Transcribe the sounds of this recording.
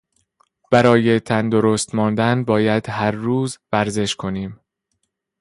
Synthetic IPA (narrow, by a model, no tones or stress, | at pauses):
b̥æɾɒːje̞t̪ʰænd̪o̞ɾost̪mɒːnd̪ænbɒːjæd̪̥hæɾːuːzvæɾze̞ʃkʰo̞niːm